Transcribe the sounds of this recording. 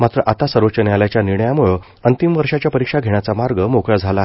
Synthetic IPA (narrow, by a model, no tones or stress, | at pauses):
mat̪ɾəʔat̪asəɾʋət͡ɕənealjat͡ɕjaniɳəjamuɭə | ənt̪imʋəɾʂat͡ɕjapəɾikʂaɡʱeɳ̃jat͡samaɾɡəmokɭad͡zʱala